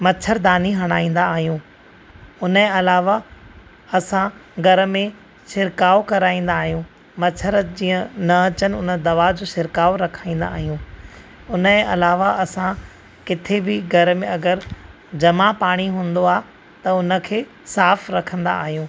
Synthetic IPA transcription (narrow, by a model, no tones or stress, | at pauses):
mɐt͡ɕʰəɾd̪aːniɦɐɽ̃aːĩːn̆d̪aːɦijũː | ʊnəẽɐlaːʋa | ɐsãɡʱɐɾ̆mẽ | sɪɾkaːokɐɾaːĩːn̆d̪aːɦijũː | mɐt͡ɕʰəɾd͡ʑĩːə̃nɐɐt͡ɕənɪ̆ʊnə̆d̪ɐʋad͡ʑoːsɪɾkaːʋɾɐkʰaːĩːn̆d̪a̰ːɦijũː | ʊnəẽʔɐlaːʋaɐsã | kɪt̪ʰebɪɡʱɐɾmẽɐɡəɾ | d͡ʑɐmapaːɽ̃iɦũːnd̪oaː | t̪ɐʊnə̆kʰeː | saːfɾɐkʰə̃nd̪a̰ːɦijũː